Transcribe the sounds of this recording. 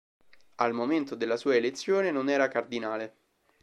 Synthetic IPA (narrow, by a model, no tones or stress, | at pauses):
almoment̪od̪elːasuːaelet̪sːjoːnenonɛːɾakard̪inaːle